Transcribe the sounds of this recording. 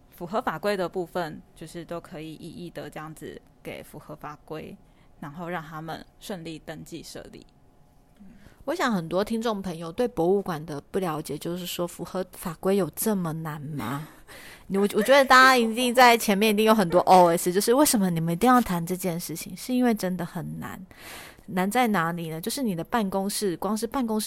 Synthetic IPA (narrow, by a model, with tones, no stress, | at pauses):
fu˨˩xɤ˧˥fa˨˩kwe˥ɪd̪ə˨pu˥˧fə˨nt͡ɕjo˥˧ʊʂɻ̩˥˩t̪o˥ʊkʰɤ˧˥i˨˩ʔi˥˩ʔi˥˩t̪ə˧˦ʈ͡ʂɤ˧jɑ˥˩ŋd͡zɹ̩˩ | ke˨˩ɪfu˨˧˥xɤ˧˥fa˨˩kwe˥ɪ | na˧˥nxo˥˧ʊɻɑ˥˩ŋt̪ʰa˥mə̰˨nʂwə˥˧nli˥˨˩t̪ə˧˥ŋt͡ɕi˥˧ʂɤ̰˥˧lḭ˥˩˥ | wɔ˧˥ɕjɑ˨˩˦ŋxə˨˩nt̪wɔ˥t̪ʰi˥ŋʈ͡ʂʊ˥˩ŋpʰə˧˥ŋjo˨˧ʊt̪we˥˩ɪpwɔ˧˥u˥˩kwa˨˩nd̪ə˩pu˥˩ljɑ˧˥ʊt͡ɕjɛ˨˩t͡ɕjo˥˧ʊʂɻ̩˥˩ʂwɔ˥fu˨˩xɤ˧˥fa˨˩kwe˥ɪjo˨˩ʊʈ͡ʂə˥˩mə˨na˨˦nma̰˨˦˨ | wɔ˨˩wɔ˨˩t͡ɕɥɛ˧˥d̪ə˧˩t̪a˥˧t͡ɕa˥i˧˥t̪i˥˧ŋt͡sa˥˩ɪt͡ɕʰjɛ˧˥nmjɛ˥˩ni˧t̪i˥˩ŋjo˧˥ʊxə˨˩nt̪wɔ˥ʔo˥ʊe˥st͡ɕjo˥˧ʊʂɻ̩˥˧we˥˩ɪʂə˧˥mə˧ni˨˩mə˨˦ni˧t̪i˥˧jɑ˥˩ʊt̪ʰa˧˥nʈ͡ʂɤ˥˧t͡ɕjɛ˥˧nʂɻ̩˥˩t͡ɕʰḭ˨˦ŋʂɻ̩˥˩i˥nwe˥˩ɪʈ͡ʂə˦˥nd̪ə˨xə˨˩nna̰˧˦nː | a˧˦nt͡sa˥˩ɪna˧˥li˨˩nə˩˦t͡ɕjo˥˧ʊʂ̬ɻ̩˥˩ni˨˩d̪ə˩˦pa˥˩nkʊ˥ŋʂɻ̩˥˩kwɑ˥ŋʂɻ̩˥˧pa˥˩nkʊ˥ŋʂ